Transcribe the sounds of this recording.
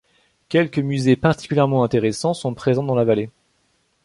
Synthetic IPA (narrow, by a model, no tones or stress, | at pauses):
kʲɛlkəmyzepaʁt̪i̥kʲyljɛʁmɑ̃ɛ̃t̪eʁesɑ̃sɔ̃pχezɑ̃d̪ɑ̃lavale